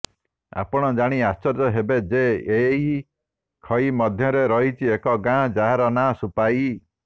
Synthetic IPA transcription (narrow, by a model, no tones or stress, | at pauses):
a̰pɔɽ̃ɔd͡ʒaɽ̃iast͡ʃɔɾd͡ʒɔɦebed͡ʒeei | kʰɔimɔd̪ʱjɔɾeɾɔɦit͡ʃʰiekɔɡãd͡ʒaɦaɾɔnasupai